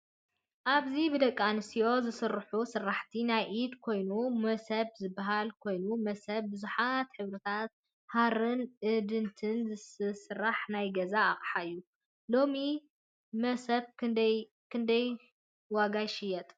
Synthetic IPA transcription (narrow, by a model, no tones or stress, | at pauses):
ʔaβzibɨd̪ɐkʼːanɨsijo̞zɨsɨrːħusɨrːaħt̪ʰinajʔid̪kʰo̞jnumɐsɐβzɨbːaɦalkʰo̞jnumɐsɐbbɨzuħat̪ħɨβɾɨt̪ʰat̪̚ | haɾɨnʔɨd̪ɨnt̪ʰɨnzɨsɨsɨɾːaħnajɡɐzaːχʼħaɨjːu | lo̞mi | mɐsɐβɨd̪ɐ | kʰɨnd̪ɐj | waɡajʃɪjɛt̪ʼ